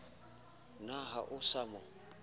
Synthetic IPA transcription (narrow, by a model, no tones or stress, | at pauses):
naɦaʔʊsamɔ